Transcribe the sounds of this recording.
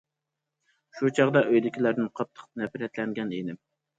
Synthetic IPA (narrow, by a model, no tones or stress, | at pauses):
ʃut͡ʃʰɑʁd̪ɑʔøjd̪ɪkʲilæɾd̪ɪnqʰɑt̪ʰːə̥qnɛpɾɛt̪lɛŋɡʲɛnenɪm